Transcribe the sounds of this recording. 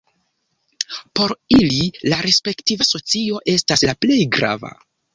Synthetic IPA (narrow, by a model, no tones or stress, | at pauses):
po̞ɾililaɾe̞spe̞ktivaso̞t͡sio̞ʔe̞staslaple̞jɡɾa̰va̰